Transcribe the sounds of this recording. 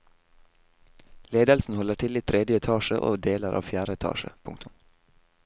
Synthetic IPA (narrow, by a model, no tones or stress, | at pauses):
leːd̪əlsn̩hɔləʈʰɪlɪt̪t̪ʰɾɛd̪jəɛt̪ʰɑːʃəʔo̰ːd̪eːləɾʔɑ̰ːʋfjæːɾəɛt̪ʰɑ̰ːʃə̰pʰʊ̰ŋkt̪ʰʊm